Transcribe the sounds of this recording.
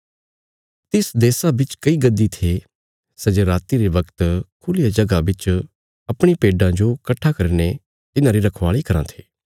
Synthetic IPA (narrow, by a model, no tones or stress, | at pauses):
t̪ɪsd̪eːsabɪt͡ʃkɐiɡɐd̪ːit̪ʰe | sɐd͡ʒeɾaːt̪iɾeʋɐkt̪kʰʊlijad͡ʒɐɡabɪt͡ʃ | ɐpɽ̃ipeːɖãd͡ʒokɐʈʰːakɐɾne | t̪ɪnãɾiɾɐkʰʋaːɭikɐɾãt̪ʰeː